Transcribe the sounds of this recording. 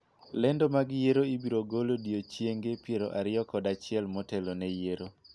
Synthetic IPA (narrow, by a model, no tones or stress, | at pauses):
lɛndomaɡjeɾoibiɾoɡolodiot͡ʃjeŋɡepjeɾo̰ʔaɾɪɔkɔdat͡ʃɪɛlmɔtɛlonɛjeɾo